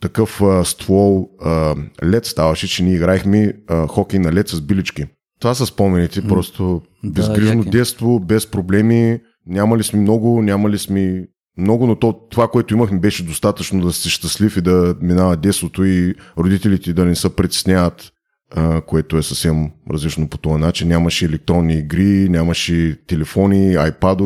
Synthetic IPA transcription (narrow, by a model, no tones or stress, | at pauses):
t̪ɐkɤfəst̪vɔlˠəlʲɛt̪st̪avɐʃɛt͡ʃɛniɛiɡɾaɛxmiəxɔkɛjnɐlɛt̪səzbilit͡ʃki | t̪ovasəspɔmɛnit̪ɛpɾɔst̪o | bɛzɡɡɾiʒnod̪ɛt̪st̪vobɛspɾoblɛmi | nʲamɐlismimnɔɡʊnʲamɐlismi | mnɔɡʊnot̪ɔt̪ovakoɛt̪ʊiməxmibɛʃɛd̪ost̪at̪ət͡ʃnod̪ɐsɛʃt̪ɐslifid̪ɐminavɐd̪ɛt̪st̪vot̪oiɾod̪it̪ɛlit̪ɛd̪ɐnɛsəpɾɛt̪ʲɛ̥snʲaət̪ | əkoɛt̪oɛsəfsɛmɾɐ̰zlit͡ʃnopot̪ɔɐnat͡ʃinːʲamɐʃiɛlɛk̚t̪ɾɔnːiːɡɾinʲamɐʃit̪ɛlɛfɔniajpad̪o